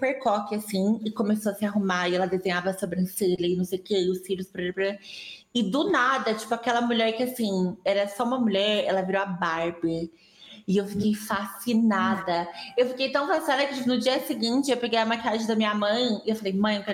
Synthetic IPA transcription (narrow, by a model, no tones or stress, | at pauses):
peɾkɔkɪasĩɪkomesoɐsɪaɦumaɪɛlɐd̪ezẽɲavɐsobɾẽseʎɐɪnɐ̃w̃sejʊkeʊsfiʎʊspɾeɾpɾ | ɪd̪ʊnad̪ɐt͡ʃi̥pʊakɛlɐmuʎɛɾkɪasĩɛɾɐsɔũmɐmuʎɛɾɛ̰lɐviɾowabaɾbɪ | ɪewfikejfasinad̪ɐewfikejt̪ɐ̃w̃fasinad̪ɐkɪ̥t͡ʃipʊnʊd͡ʒiɐsɪɡĩnt͡ʃɪewpeɡejɐmakiaʒẽd̪ɐmĩɲɐmɐ̃j̃ɪewfalejmɐ̃j̃kɛ